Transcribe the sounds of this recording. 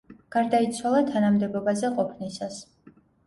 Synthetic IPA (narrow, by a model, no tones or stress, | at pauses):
ɡ̥aɾd̪ait̪sʰwalˠat̪ʰanamd̪ɛbɔbazɛqʼɔpʰnisas